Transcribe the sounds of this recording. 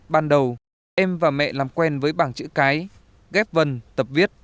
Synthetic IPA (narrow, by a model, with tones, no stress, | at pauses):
ɓaː˧nɗə˨˩w | ʔɛ˧mvaː˨˩mɛ̰˧˨laː˨˩mkwɛ˧nvəː˨˦jɓaː˧˩nt͡ɕɨ̰˧˥kaː˨˦j | ɣɛ˦˥p̚və˨˩nt̪ə˨˩p̚vi˦˥ət̚